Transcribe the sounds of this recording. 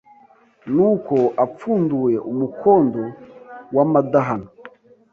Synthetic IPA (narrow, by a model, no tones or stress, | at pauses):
nukoap͡fuːnduweʔumukʰoːndowamadaɦana